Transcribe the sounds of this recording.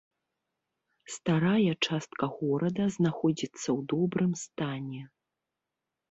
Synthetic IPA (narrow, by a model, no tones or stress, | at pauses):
st̪aɾajɐt͡ʂast̪kɐɣɔɾɐd̪ɐznaxɔd͡zʲit̪sːɐwd̪ɔbɾɨmst̪anʲɛ